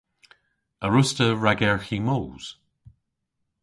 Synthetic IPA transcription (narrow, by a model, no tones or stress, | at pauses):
əɹʊstəɹaɡɛɹximoːz̥